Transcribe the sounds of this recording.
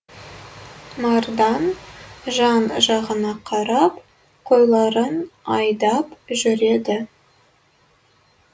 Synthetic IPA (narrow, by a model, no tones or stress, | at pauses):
mɑɾd̪ɑnʒɑnʒɑʁənɑqʰɑɾɑp | qʰojlˠɑɾənɑjd̪ɑpʒʏɾe̞d̪ɪ